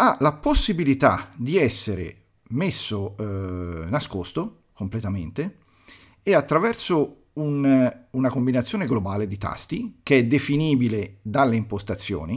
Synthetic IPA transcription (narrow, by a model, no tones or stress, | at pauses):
alaposːibilit̪a̰d̪iɛsːeɾḛ | mesːo | naskost̪o | komplet̪ament̪e | eat̪ːɾavɛrso | ununakombinat̪sːjoːneɡlobaːled̪it̪a̰st̪ikeɛd̪efiniːbiled̪alːeimpost̪at̪sːjo̰ːni